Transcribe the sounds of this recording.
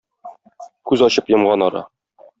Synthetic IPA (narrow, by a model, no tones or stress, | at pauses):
kʉzɒɕɤpjɤ̆mʁɑnɒɾɑ̰